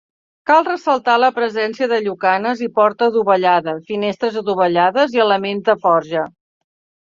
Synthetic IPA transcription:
kalˠrəsəlˠt̪aləpɾəzɛnsiəðəʎukanəzipɔɾt̪əðuβəʎaðəfinest̪ɾəzəðuβəʎaðəziələmenzðəfɔɾʒə

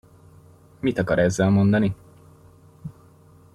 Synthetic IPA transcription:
mit̪ɒkɒɾɛzːɛlmo̞nd̪ɒni

